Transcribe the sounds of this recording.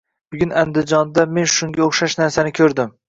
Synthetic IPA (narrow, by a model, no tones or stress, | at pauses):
bʊɡʲʊnand̪ɪd͡ʒɒnd̪ame̞nʃʊŋɡʲaoχʃaʃnaɾsanɪkʲʰɵɾd̪ɪm